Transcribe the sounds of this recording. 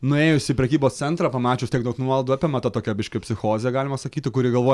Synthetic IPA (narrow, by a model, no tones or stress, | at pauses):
nʊeːjʊsʲɪːpʲɾʲɛkʲiːboːst̪sʲɛnt̪ɾɑːpɐmɑːt͡ʃʲɛʊst̪ʲɛɪkd̪oʊt̪nuɔlˠd̪ʊɑpʲemɐt̪ɐt̪oːkʲɛbʲɪʃʲkʲɛpʲsʲɪxoːzʲɪjɛɡɑːlʲɪmɐsɐkʲiːt̪ʲɪkʊɾʲiɛɡɐlˠʋoːj